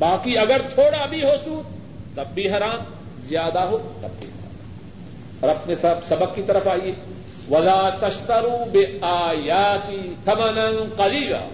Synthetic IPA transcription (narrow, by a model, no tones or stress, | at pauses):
baːkiɐɡəɾt̪ʰoːɽabʱiɦosuːd̪̚ | t̪ɐbːiɦɐɾaːm | zɪjaːd̪aɦoːt̪ɐ̰bːḭhɐɾa̰ː | pɐɾɐpnesɐbsɐbəɡkit̪ɐɾəfaːieː | ʋɐlaːt̪ɐʃt̪ɐɾuːbɪaːjaːt̪it̪ʰɐmɐnɐnqɐɾiːɡa̰ː